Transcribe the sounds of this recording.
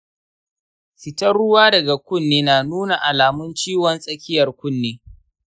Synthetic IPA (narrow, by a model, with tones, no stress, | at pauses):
sɪ˨tɐ˦rɽʊ˦waː˦dɐ˨ɡa˨kʷʊ˦˨nːeː˦naː˨nuː˦na˨ʔa˨laː˨mʊ˦nt͡ʃiː˦wɔ˨nsʼɐ˦kʲɪ˦jɐ˨rkʷʊ˦˨nːeː˦